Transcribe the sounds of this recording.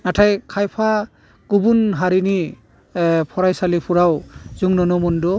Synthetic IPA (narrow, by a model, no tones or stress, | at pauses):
natʰajkʰajpʰa | kubunɦaɾini | pʰɔɾajsalipʰuɾawzuŋnɔnɔmundɔ